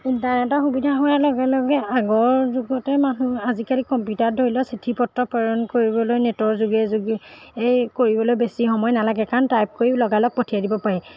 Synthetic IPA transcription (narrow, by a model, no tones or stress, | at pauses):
intaɛtaxubidʱaɦɔjalɔɡɛlɔɡɛaɡɔɹzuɡɔtɛmanuazikalikɔmpjutadʱoɹilɔsitʰipɔtɹɔpɔɹɔnkoɹibɔlojnɛtɔɹzuɡɛzuɡi | ejkoɹibɔlojbesixɔmɔjnalaɡɛkaɹɔntajp̚koɹilɔɡalɔk̚pɔtʰiadibɔpaɹɛ